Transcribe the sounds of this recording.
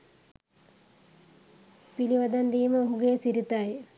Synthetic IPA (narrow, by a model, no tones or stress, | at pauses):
piliʋɐd̪ɐnd̪iːməoɦuɡeːsiɾit̪aːje